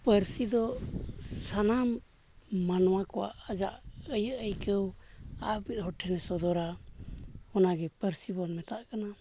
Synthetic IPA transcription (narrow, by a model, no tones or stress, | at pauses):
pəɾsid̪ɔ | sanamː | anɔwakɔwa̰ʔad͡ʒaʔəjəʔəjkəwabit̪̚hɔʈʰɛnɛsɔd̪ɔɾa | ɔnaɡɛpəɾsibɔnmɛt̪aʔkana